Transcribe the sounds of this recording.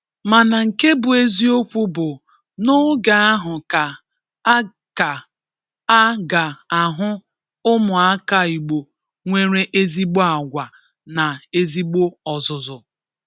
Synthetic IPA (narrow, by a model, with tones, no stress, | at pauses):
ma˨na˨ŋ̩˨ke˦bʊ˨e˦zi˦o˦kʷu˦bʊ˨ | nʊ˦ɡa˨a˦ɦʊ˨ka˨ | a˦ | ka˨ | a˦ɡa˨a˨ɦʊ˦ | ʊ˦mʊ˨a˦ka˦i˨ɡ͡bo˨ | ŋʷe˦ɾe˦ʔe˦zi˦ɡ͡bo˦a˨ɡʷa˨ | na˨e˦zi˦ɡ͡bo˦ɔ˨zʊ˨zʊ˨